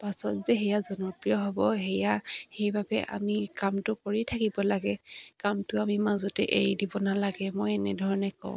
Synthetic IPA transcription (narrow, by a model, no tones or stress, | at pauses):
pasɔtzɛɦɛjazɔnɔpɹijɔɦɔbɔɦɛjahejbabɛʔa̰mikamtʊkoɹitʰakibɔlaɡɛkamtʊamimazɔtɛʔḛɹidibɔnalaɡɛmojɛnɛ̰dʱɔɹɔnɛkɔ̰ʊ̃